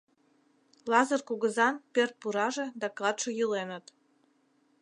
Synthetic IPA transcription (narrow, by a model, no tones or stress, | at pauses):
lˠɑzərkuɣəzɑnpert̪̚puɾɑʒĕd̪ɑklˠɑt̪ʃojɯlenə̆t̪